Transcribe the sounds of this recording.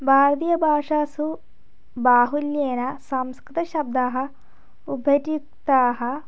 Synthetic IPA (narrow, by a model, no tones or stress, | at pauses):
bʱaːɾt̪ijɐbʱaːʂaːsu | baːɦuljeːnɐsɐmskɾit̪ɐʃɐb̚d̪aːɦɐ̆ | ubʱɐʈik̚t̪aːɦɐ̆